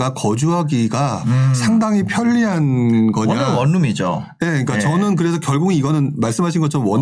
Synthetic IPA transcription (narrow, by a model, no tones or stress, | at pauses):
ɡakʌd͡ʑuɦaɡiɡasʰaŋdaŋipʰjʌʎːiɦanɡʌɲawʌnːumid͡ʑo̰ | je̞ik͈at͡ɕʌnɯnk̬ɯɾe̞sʰʌkjʌɭɡuɡiːɡʌnɯnmaɭs͈ɯmɦaɕ̬ʰinɡʌt͡ɕʰʌnmwʌn